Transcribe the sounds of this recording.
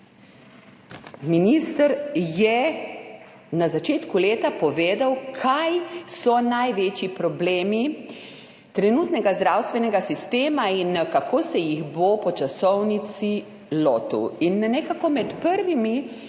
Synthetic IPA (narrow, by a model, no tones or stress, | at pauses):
miniːst̪əɾjɛ | nazat͡ʃeːt̪kuleːt̪apɔʋeːd̪awkʰajsɔnajʋeːt͡ʃipɾɔbleːmi | t̪ɾɛnuːt̪nɛɡazd̪ɾaːwst̪ʋɛnɛɡasist̪eːmainkakʰoːsɛjiɣboːpɔt͡ʃasɔwnit̪si | loːt̪ṵinːɛkakɔmɛt̪pəɾʋimi